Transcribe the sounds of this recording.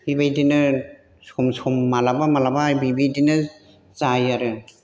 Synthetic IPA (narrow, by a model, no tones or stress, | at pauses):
hibajdinɯ | sumsumːalabamalabajbibidinɯ | zajaɾɯ